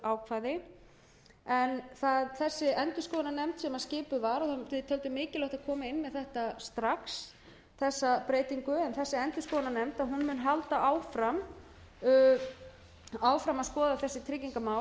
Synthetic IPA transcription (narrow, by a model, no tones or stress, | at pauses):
aːwkʰvaːjðɪ | ɛnθaðθɛsːɪɛnt̪ʏskɔːðananɛmt̪sɛmaðscɪːpʏvaɾɔθaʏt̪ʰœlt̪ʏmɪːcɪlœht̪aðkʰɔːmaɪnːmɛðθɛht̪ast̪ɾaks | θɛsːapɾeːjt̪iŋkʏɛnθɛsːɪɛnt̪ʏskɔːðananɛmt̪aɦunmʏnɦalt̪aʔaːwfɾam | aːwfɾamaðskɔːðaθɛsːɪt̪ʰɾɪcːiŋkamaːw